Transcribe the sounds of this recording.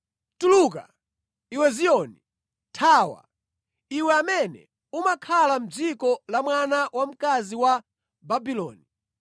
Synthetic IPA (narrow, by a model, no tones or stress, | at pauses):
tuluːka̰ | iwɛzijɔni | tʰaːwa̰ | iwɛamɛnɛ̰ | umakʰalam̩d͡zikɔlamwanawam̩kaziwa | babilɔ̰ːni